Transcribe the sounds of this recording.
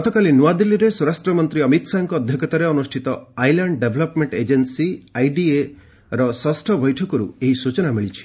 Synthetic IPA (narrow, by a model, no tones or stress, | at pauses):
ɡɔt̪ɔkalinuad̪ilːiɾesuɾasʈɾɔmɔnt̪ɾiʌmit̪saŋkɔːd̪ʱjɔkɔt̪aɾeɔnusʈʰit̪ɔajlaɳɖɖebʱlɔpmeɳʈed͡ʒensiajɖie | ɾɔsɔsʈʰɔbɔjʈʰɔkɔɾṵeɦisut͡ʃɔnamiɭit͡ʃʰi̥